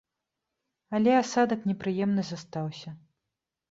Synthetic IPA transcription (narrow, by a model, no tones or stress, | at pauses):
alʲɛasad̪ɐknʲɛpɾɨjɛmnɨzast̪awsʲɐ